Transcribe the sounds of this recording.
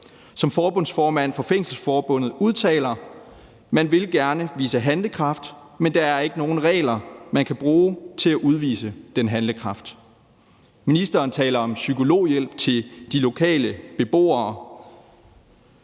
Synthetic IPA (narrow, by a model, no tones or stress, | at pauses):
sɒ̽mfɒːb̥ɔ̽nsfɒːmæn̰fɒ̽feŋ̰sl̩sfɒːb̥ɔ̽n̰ð̞̩ˠuð̞ˠt͡sʰɛ̰ːlɐ | mænʋe̝lɡ̥æɐnəʋḭːsəɦænləkʰʁɑ̈fd̥mend̥ɑ̈æɐe̝ɡ̥əno̝ːn̩ʁɛ̰ːɪlɐmænkʰæb̥ʁuːt͡sʰe̝læʔuð̞ˠʋḭːsəd̥enɦænləkʰʁɑ̈fd̥ | minisd̥ɐːnt͡sʰɛ̰ːlɐɒ̽msykʰo̝lo̝̰ːjel̰b̥̚t͡sʰe̝ld̥ilo̝kʰɛ̰ːləb̥e̝b̥o̝̰ːɐː